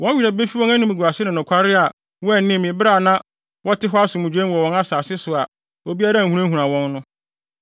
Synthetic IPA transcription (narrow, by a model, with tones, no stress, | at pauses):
wɔ̃˦i˨ɾæ˨be˦fi˦wɔ̃˦æ˦nʊ̃˦mɪ̃˨ɡu˨a˨sɪ˦nʊ̃˨nʊ̃˨kʰa˦ɾɪ˦a˨ | wɔ˦ɛ˦˨nɪ̃˦˨mɪ̃˨bɪ˦ɾa˦˨nã˦ | wɔ˦tɪ˦ɦɔ˦a˦sʊ˨mũ˨d͡ʑᶣɛ̃˦wɔ˨wɔ̃˦na˦saː˨sɪ˦sʊ˨a˨ | o˨bi˦a˦ɾã˦˨u˨ɾã˦hu˨ɾã˨wɔ̃˦nːʊ̃˦